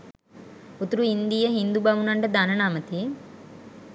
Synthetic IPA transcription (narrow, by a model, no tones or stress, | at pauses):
ut̪uɾuind̪ijəɦind̪ubɐʋunɐɳʈəd̪anənaːmət̪i